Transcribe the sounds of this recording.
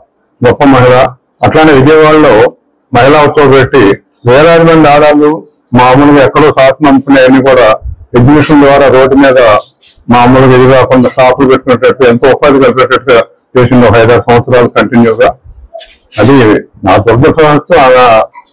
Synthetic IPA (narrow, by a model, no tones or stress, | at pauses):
ɡɔpːɐmɐɦila | ɐʈlaːɳʈiɡeːʋaːɭɐlo̞ː | mɐɦilaːut̪ːoːpeʈːi | ʋɛːlaːd̪ibɐɳɖaːd̪aːlːu | maːmulɐkɛkːɐɽoːsaːsɐnɐmpuneːɐnːiːkuːɽaːed͡ʒmiʂɐnd̪ʋaːɾaːɾo̞ːɖːumiːd̪ɐ | maːmuːlɐked̪iɡaːkuɳɖɐsʈaːpʰulupe̞ʈːukuɐʈːnɐʈːuent̪oːɔpːaːd̪ikɐlpeʈːɐʈːuɡa | t͡ʃe̞ːsind̪okɐjd̪aːsɐ̃mʋɐt̪sɐɾaːlukɐɳʈinjuːɡaː | ɐd̪inaːd̪ɔɾbɐsɐɦɐst̪ːua